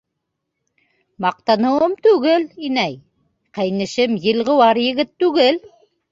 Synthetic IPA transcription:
mɑq̚t̪ɑnɤwɤmt̪ʉɣɘlinæj | qejnɘ̆ʃɘmjɘ̆lˠʁɤwɑɾjɘ̆ɣɘt̪ːʉɣɘl

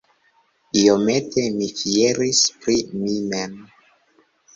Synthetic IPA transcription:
io̞me̞tʰe̞mifie̞ɾispɾimimem

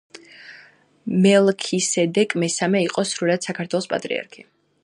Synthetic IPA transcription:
mɛlˠkʰisɛd̪ɛkʼmɛsamɛiqʼɔsɾuɾad̪̥sakʰaɾt̪ʰwɛlˠɔspʼa̰t̪ʼɾḭa̰ɾkʰi

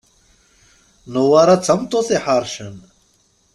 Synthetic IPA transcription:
nowaɾat͡sʰɐmt̪oseħaɾʃən

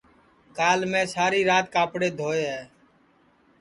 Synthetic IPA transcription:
kaːlmẽːsaːɾiːɾaːt̪̚kaːpɽeːd̪ʱoːeːɦɛː

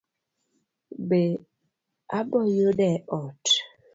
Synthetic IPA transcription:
be | abɔjoɗɛʔɔt

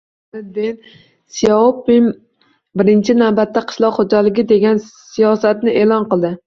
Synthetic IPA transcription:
ɪd̪ɪn | sijaopɪm | bɪɾɪnt͡ʃʰɪnawbat̪ːaqʰɨ̥ʃlˠɒqχod͡ʒalɪɡʲɪd̪e̞ɡʲansijɒsat̪nɪʔeːlˠɒnqɨlˠd̪ɪ

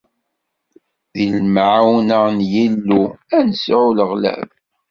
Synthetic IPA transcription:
ðilmʕawnənjilːuænəsʕuləʁlæ̰v

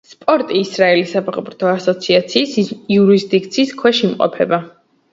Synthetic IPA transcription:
spʼɔɾt̪ʼiːsɾaɛlisapʰaχʼpɾt̪ʰɔasɔt̪sʰiat̪sʰiːsiuɾisd̪ik̚ʰʼt̪sʰiːskʰwɛʃiimqʼɔ̰pʰɛba

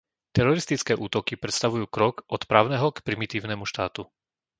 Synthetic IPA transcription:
t̪ɛɾɔɾist̪it͡skɛːʔuːt̪ɔkipɾɛt̪st̪aʋujuːkɾɔkʔɔt̪pɾaːʊnɛɦɔkpɾimit̪iːʊnɛmuʃt̪aːt̪u

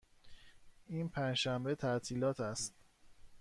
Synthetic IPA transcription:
ʔiːnpʰænd͡ʒʃæmbe̞t̪ʰæʔt̪ʰiːlɒːt̪ʰæst̪

